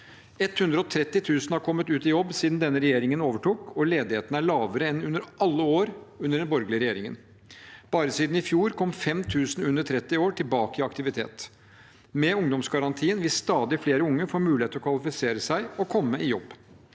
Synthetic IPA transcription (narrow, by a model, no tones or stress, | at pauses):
ɛt̪hʉnd̪ɾəɔt̪ʰɾɛt̪ːɪt̪ʰʉːsnhɑɾkʰɔmːət̪ʉːt̪ɪjɔbːsiːd̪nd̪ɛnːəɾɛjeːɾɪŋənoːʋəʈuːkɔleːd̪ɪheːt̪nəæɭɑːʋəɾəɛnʉnːəɾʔɑlːəoːɾʉnːəɖɛnbɔɾɡlɪəɾɛjeːɾɪŋə̰n | b̥ɑːɾəsiːd̪n̩ɪfjuːɾkʰɔmfɛmt̪ʰʉːsn̩ʉnəʈ̪ʰɾɛt̪ːɪoːʈʰɪlbɑːkəɪɑkt̪ɪʋɪt̪ʰḛːt̪ | mɛʊŋd̪ɔmsɡɑɾɑnt̪ʰiːənʋɪst̪ɑːd̪ɪfleːɾəʊŋːəfoːɾmʉːlɪeːt̪əɾɔkʰʋɑlɪfɪseːɾəsæɪɔkʰɔmːəɪjɔbː